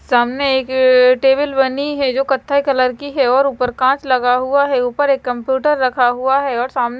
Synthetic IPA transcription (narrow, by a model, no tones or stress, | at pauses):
saːmneeːkʈeːbɪlbɐniɦɛd͡ʒoːkɐt̪ʰːaikɐləɾkiɦɛɔːɾuːpəɾkãːt͡ʃlɐɡaɦuaɦɛuːpəɾeːkːɐ̃mpjuːʈəɾːɐkʰaɦuaɦɛɔːɾsaːmn